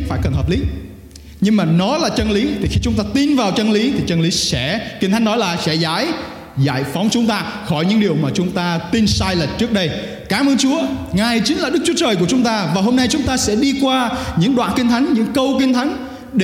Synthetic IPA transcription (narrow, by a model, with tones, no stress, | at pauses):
faː˧˩jkə˨˩nɦəː˨˩p̚li˨˦ | ɲɨ˧ŋmaː˨˩nɔ˨˦laː˨˩t͡ɕə˧nli˨˦t̪ʰi˨˩xi˧t͡ɕʊ˨˦ŋ͡mt̪aː˧t̪i˧nvaː˨˩wt͡ɕə˧nli˨˦t̪ʰi˨˩t͡ɕə˧nli˨˦sɛ̰˧˥ki˧ŋt̪ʰa˨˦j̟nɔ˨˦jlaː˨˩sɛ̰˧˥zaː˧˥j | za̰ː˧˨jfa˨˦wŋ͡mt͡ɕʊ˨˦ŋ͡mt̪aː˧xɔ˧˩jɲɨ̰˧˥ŋɗi˨˩əwmaː˨˩t͡ɕʊ˨˦ŋ͡mt̪aː˧t̪i˧nsaː˧jlə˨˩t̚t͡ɕɨ˦˥ək̚ɗə˧j | kaː˨˦mʔəː˧nt͡ɕu˨˦əŋaː˨˩jt͡ɕï˨˦ŋ̟laː˨˩ɗɨ˦˥k̚t͡ɕu˦ət͡ɕəː˨˩jku˧˩ət͡ɕʊ˨˦ŋ͡mt̪aː˧vaː˨˩ɦo˧mna˧jt͡ɕʊ˨˦ŋ͡mt̪aː˧sɛ̰˧˥ɗi˧kwaː˧ɲɨ̰˧˥ŋɗwa̰ː˧˨nki˧ŋ̟t̪ʰa˨˦jŋ̟ɲɨ̰˧˥ŋkə˧wki˧ŋ̟t̪ʰa˨˦jŋ̟ | ɗe˧